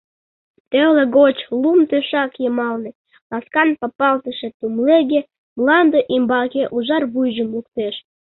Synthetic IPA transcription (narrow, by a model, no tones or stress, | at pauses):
t̪eleɣot͡ɕlumt̪øʃɑkjəmɑlnĕ | lɑskɑnpɑpɑlt̪əʃĕt̪umleɣe | mlɑnd̪oʔimbɑkeʔuʒɑrβujʒəmluk̚t̪eʃ